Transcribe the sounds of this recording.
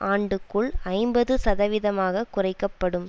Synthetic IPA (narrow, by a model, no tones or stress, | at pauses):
ʔaːɳɖɯkːɯɭɐɪmbɐðɯsɐðɐʋɪðɐmaːɣɐkːʊrɐɪkːɐpːɐɽɯm